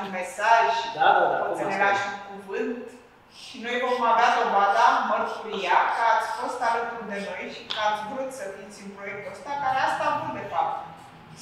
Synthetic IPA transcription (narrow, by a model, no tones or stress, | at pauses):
me̞saʒ | eneɾaʃukuvɨnt̪ | ʃino̞jvo̞mavead̪o̞vad̪amərt̪uɾijakəat̪sʲfo̞st̪alət̪uld̪e̞no̞jʃi̥kəat̪sʲvut̪ʲsəfit̪sʲunpɾo̞je̞k̚t̪uəst̪akaɾeast̪abund̪e̞fap̚t̪